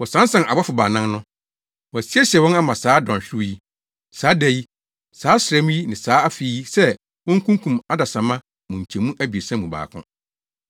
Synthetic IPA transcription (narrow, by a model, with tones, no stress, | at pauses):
wɔ˨sã˨˦n˦sã˨nʔa˨ba˦fʊ˨baː˨nã˦ŋ˦nʊ̃˦ | wɔ˨æ˨si˦ɛ˦ɕɛ˨wɔ̃˦na˦mã˨saː˨˦dɔ̃˨ɕᶣɪ˦ji˦ | saː˨˦dæ˨ji˦ | saː˨˦sɪ˨ɾɛ˦mũ˦ji˦nɪ̃˨saː˨˦a˦fi˨˦ji˦sɛ˦ | wɔ̃˦ŋ̩˦kʰũ˦ŋkʰũ˨ma˦da˨sã˨mã˦ | mʊ̃˨ɲ̩˨t͡ɕʰɛ̃˨mũ˦ʔæ˦bi˨e˨sã˦mũ˨ba̰ː˨kʰʊ̰̃˦